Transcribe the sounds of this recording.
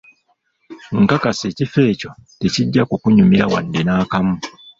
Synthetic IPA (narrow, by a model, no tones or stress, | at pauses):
ŋkakase̞ːcife̞ːco̞te̞ciɟːakukuɲumiɾawa̰ndenaːkamu